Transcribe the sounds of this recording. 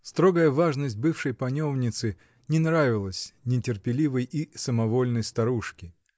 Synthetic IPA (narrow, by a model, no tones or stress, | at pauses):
st̪ɾo̞ɡəjəvaʐnəsʲt̚ʲbɨfʂəjpɐnʲo̞vnʲɪt̪sɨ | nʲɪnɾavʲɪlˠəsʲnʲɪtʲɪrpʲɪlʲivəjisəmɐvo̞lʲnəjst̪ɐɾuʂkʲɪ